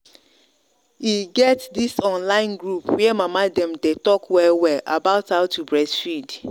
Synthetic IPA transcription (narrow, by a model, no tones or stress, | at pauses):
iɡɛtdisɔ̃nlãɪ̃nɡɹupwiɛmamadɛ̃mtetɔkwɛlwɛlʔa̰baʊthaʊtʰubɹɛsfid